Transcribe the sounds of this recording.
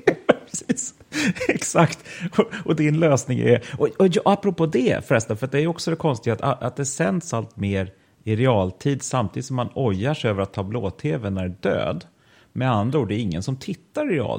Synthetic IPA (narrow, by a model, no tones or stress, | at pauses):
siːs | ɛksakt̪ɔɔd̪ɪnløːsnɪŋ̰ɛ̰ɔɔjɑapːɾɔpʰoːd̪ɛ̰fɾɛst̪afœɾat̪̚d̪ɛæɾjʏɔksɔd̪ɛkʰɔnst̪ɪɡat̪aʔa̰t̪̚d̪ɛsɛnd̪salt̪meːɾ | ɪɾɛɑːlt̪ʰiːd̪samt̪ʰiːd̪t̪sɔmːanɔjːaʂɛøːvəɾat̪ʰːɑːbloːt̪ʰeːvɛnæɾɖø̰ːd̪ | mɛand̪ɾauːɖd̪ɛːɾɪŋːənsɔmt̪ʰɪt̪ːaɾɪɾɛɑ̰ːl